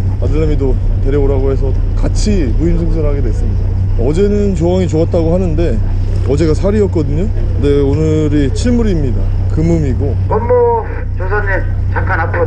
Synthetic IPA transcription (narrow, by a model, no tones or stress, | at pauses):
madɯɭːemido | te̞ɾjʌboɾaɡoɦe̞sʰʌ | kat͡ɕʰi | muimsʰɯŋsʰɯɾɦaɡe̞dwe̞s͈ɯmɲida | ʌd͡ʑe̞nɯnt͡ɕoaŋit͡ɕoat̚t͈aɡoɦhanɯnde̞ | ʌd͡ʑe̞ɡasʰaɾiʌt̚k͈ʌdɯɲo | ɯde̞onɯ | ɾit͡ɕʰiɭmuɾimɲida | kɯmɯmiɡo | nʌmːʌ | t͡ɕosʰane | t͡ɕak͈anapʰo